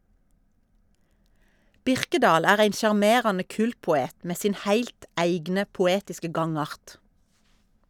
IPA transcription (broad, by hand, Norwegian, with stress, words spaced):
ˈbɪʁkədɑːl ˈæːʁ ˈæɪn ʃɑʁˈmeːʁɑnə ˈkʉːltpʊˌeːt ˈmeː ˈsiːn ˈhæɪlt ˈæɪɡnə pʊˈeːtɪskə ˈɡɑŋˌɑʁt